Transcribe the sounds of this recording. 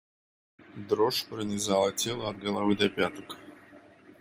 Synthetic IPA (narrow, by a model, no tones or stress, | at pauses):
d̪ɾoʂpɾənʲɪzalˠətʲelˠəɐd̪̚ɡəlˠavɨd̪ɐpʲat̪ək